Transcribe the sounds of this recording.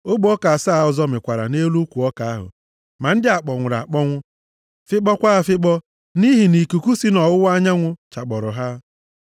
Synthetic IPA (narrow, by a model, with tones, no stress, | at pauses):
o˦ɡ͡bo˨˦ɔ˦ka˨a˨saː˦˨ɔ˨zɔ˦mɪ˨kʷa˨ɾa̰˨ne˦lu˦kʷu˨ɔ˦ka˨a˦ɦʊ̰˨ | ma˨n̩˦dɪ˦a˨k͡pɔ˨ŋʷʊ˨ɾa̰˨k͡pɔ˦ŋʷʊ˦ | fɪ˦k͡pɔ˦kʷa˦˨fɪ˦k͡pɔ˦ | ni˦ɦi˨ni˨ku˨ku˦si˦nɔ˨wʊ˦wa˦ɲa˦ŋʷʊ˦t͡ʃa˨k͡pɔ˨ɾʊ˨ɦa˦